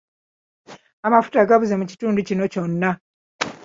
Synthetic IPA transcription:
amafu̥taɡaβuze̞muci̥tuːnducino̞co̞nːa

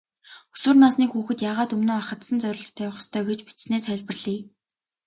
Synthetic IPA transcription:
u̥sŭːrnaːsniːxuːxɘ̆t̪jaːʁaːt̪ɵmnoːaχə̆t̪sə̆nt͡sœɾʲɪ̆ːɮə̆t̪ʰæːwʊ̆χst̪ʰœːɡet͡ɕpi̥tsneːsχæɮʲpə̆rɮiː

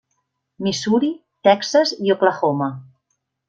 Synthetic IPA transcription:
misuɾi | t̪ɛksəzioplaxomə

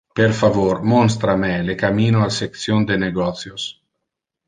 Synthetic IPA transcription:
peɾfavoɾmɔns̬t̪ɾamelekamiːnoalsek̚sjond̪eneɡɔt̪sjos

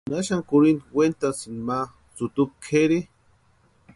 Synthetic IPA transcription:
naʃaŋkuɾind̪went̪asnma | t͡sut̪up̚kʰeɾi

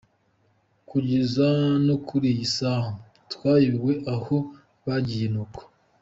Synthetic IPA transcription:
kuɟezanokʰuɾijisaːmbo | twaːjiwe̞ʔaho̞ | βaɟijenoko̥

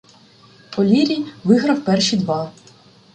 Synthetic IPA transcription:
pɔlʲiɾʲijʋɪɦɾɐwpɛrʃid̪ʋɑ

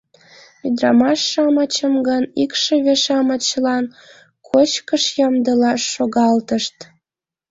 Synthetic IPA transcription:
myd̪rɑmɑʃːɑmɑt͡ɕəmɡənikʃeβeʃɑmət͡ɕəlɑn | kʰot͡ɕkəʃjɑmd̪əlɑʃːoɣɑlt̪əʃt̪

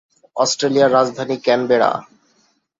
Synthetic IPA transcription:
ɔsʈɾelijaɾːad͡ʑd̪ʱanikɛnbeɽa̰

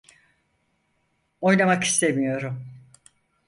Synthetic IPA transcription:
o̞jnamaki̥st̪ʰe̞mijo̞ɾum

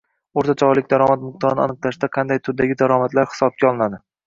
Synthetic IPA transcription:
oɾt̪ʰat͡ʃʰɒlɪkʲd̪aɾɒmat̪mʊq̚d̪ɒɾnɪa̰nɨqlaʃd̪aqʰɑnd̪ajt̪ʰʊd̪aɡʲɪd̪aɾɒmat̪laɾhɪ̥sɒb̚kʲaɒlˠɪnad̪ɪ

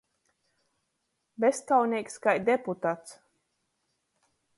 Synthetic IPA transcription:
best̪awnʲiɛkʲskajd̪ʲeput̪at̪s

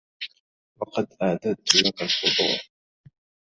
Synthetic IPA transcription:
wɑqɑd̪ʔaʕd̪ad̪̚t̪lakalfʊd̪ˤṵːɾ

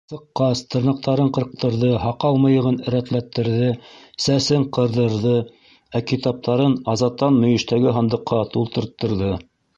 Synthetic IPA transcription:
sɤ̆qːɑst̪ʰɤ̆ɾnɤ̆q̚t̪ɑɾɤɴqɤ̆ɾq̚t̪ɤ̆ɾðɤɦɑqɑlˠmɤ̆jɤ̆ʁɤnɘ̆ɾæt̪læt̪ːɘ̆ɾðɘsæsɘɴqɤ̆ɾðɤ̆ɾðɤ | ækit̪ɑp̚t̪ɑɾɤnɑzɑt̪ːɑnmɵ̆jɘ̆ʃt̪æɡɘɦɑnd̪ɤ̆qːɑt̪ulˠt̪ɤ̆ɾt̪ːɤ̆ɾðɤ

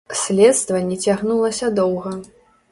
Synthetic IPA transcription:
sʲlʲɛt̪st̪vɐnʲːɛt͡sʲaɣnulˠɐsʲɐd̪ɔwɣɐ

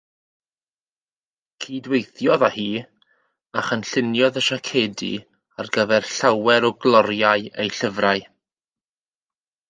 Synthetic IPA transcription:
kʰiːdwejθjɔðahiː | aχənɬɪnjɔðəʃakʰeːdḭ | arɡəvɛrɬawɛɾɔɡlˠɔɾjaɨejɬəvraɨ

